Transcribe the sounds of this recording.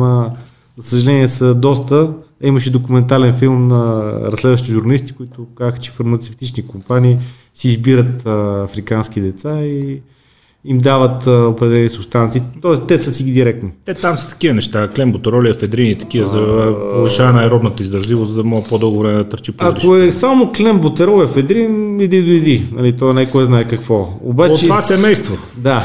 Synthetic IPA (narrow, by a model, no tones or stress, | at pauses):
ə | zɐsəʒɐlɛniɛsəd̪ɔst̪əiməʃɛd̪okumɛnt̪alɛnfilˠmnəɾɐslɛd̪vəʃ̬t̪iʒuɾnɐlist̪i̥kʊit̪ʊkazəxə̥t͡ʃɛ̥fɐɾmɐt̪sɛft̪it͡ʃnikʊmpaniː | siːzbiɾət̪əɐfɾikansk̟id̪ɛt̪sai | imd̪avət̪ʊpɾɛd̪ɛlɛniɛsʊbst̪ant̪siːt̪ɔɛst̪ɛsəsiɡʲid̪iɾɛk̚t̪noɛt̪amsi̥t̪ɐ̥kʲiənɛʃt̪aklɛmbot̪ɛɾɔliɛfɛd̪ɾinit̪ɐ̥kivəzɐpolˠʊʃaɛnajɾɔd̪nət̪əizd̪ɾɐʒlivoszd̪ɐmɔɡəpod̪ɤlˠɡovɾɛmɛd̪ɐt̪əɾt͡ʃipad̪iʃoɛsamoklɛmbot̪sɛɾɔlɛfɛd̪ɾinɛd̪id̪ʊid̪inɐlit̪ɔnajkoɛznaɛkɐkvɔo̰bat̪t͡ʃɛvasɛmɛjst̪vo | d̪a